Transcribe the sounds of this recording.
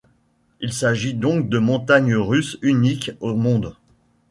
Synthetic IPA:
ilsaʒid̪ɔ̃k̚d̪əmɔ̃t̪aɲʁysynikomɔ̃d̪

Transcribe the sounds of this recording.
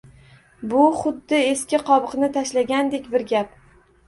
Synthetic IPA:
bʊχʊd̪ːɪe̞skʲɪqʰɒbɨqnɪt̪ʰaʃlaɡʲand̪e̞kʲbɪɾɡʲap̚

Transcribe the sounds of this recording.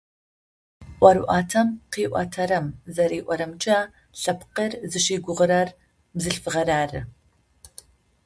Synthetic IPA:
ʔʷɐɾuʔaːtʰɐmqiːʔʷɑ̰ːtʰɐɾɐmzɐɾiːʔʷɔɾɐmt͡ʃʼɐ | ɬɐpʰqərzɨʃiːɡʷʊʁəɾɐr | mzɨɬfɨʁɐɾaːrɨ̰

